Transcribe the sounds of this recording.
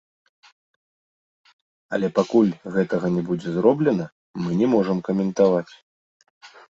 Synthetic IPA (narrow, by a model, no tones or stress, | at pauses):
ɐ̰lʲɛpakulʲɣɛt̪ɐɣɐnʲɛbud͡zʲɛzɾɔblʲɛnɐ | mɨnʲɛmɔʐɐmkɐmʲɛnt̪avat͡sʲ